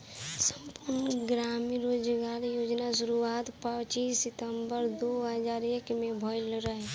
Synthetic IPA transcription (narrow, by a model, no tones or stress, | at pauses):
səmpʊɾnəɡɾaːmĩɾoːd͡ʒɡaːɾjoːd͡ʒnaʃʊɾuaːt̪pət͡ʃiːsːɪt̪əmbəɾd̪oːɦəzaːɾeːkmẽbʱɔjlɾəɦe